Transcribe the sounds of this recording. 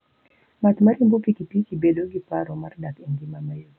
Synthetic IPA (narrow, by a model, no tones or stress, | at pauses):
mat̪maɾimbɔkikipit͡ʃibɛɗɔɡipaɾɔmaɾdakɛŋɡimamajɔ